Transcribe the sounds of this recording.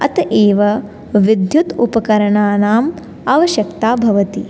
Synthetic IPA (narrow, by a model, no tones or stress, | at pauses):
ɐ̰t̪ɐʔeːʋɐ | ʋid̪ʱjut̪upɐkɐɾɐɳaːnaːm | aʋɐʃjɐkt̪aːbʱɐʋɐt̪i